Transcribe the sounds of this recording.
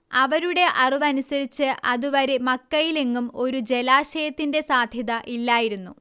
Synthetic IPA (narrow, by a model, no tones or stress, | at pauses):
ɐʋɐɾuɽe̞ʔɐruʋɐnusɐɾit͡ɕːɨʔɐðuʋɐɾemɐkːɐjile̞ŋːumo̞ɾud͡ʑe̞laːɕɐjɐt̪ːinde̞saːd̪ʱjɐðɐʔilːaːjiɾunːu